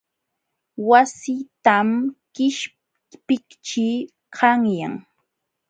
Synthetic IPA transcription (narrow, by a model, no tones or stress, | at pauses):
wasit̪amkɪʃ | pɪkt͡ʃi | kʰɑŋja̰ŋ